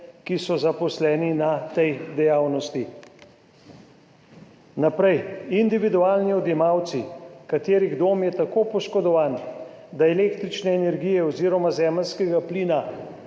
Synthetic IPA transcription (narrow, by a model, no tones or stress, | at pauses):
kisɔzapɔslɛːninat̪ɛjd̪ɛjaːwnɔst̪i | napɾɛjind̪iʋid̪uaːlniɔd̪jɛmawt̪sikat̪eːɾiɣd̪oːmjɛt̪akoːpɔʃkɔd̪ɔʋaːn | d̪aɛleːkt̪ɾit͡ʃnɛːnɛɾɡijɛɔziːɾɔmazɛːməlskɛɡapliːna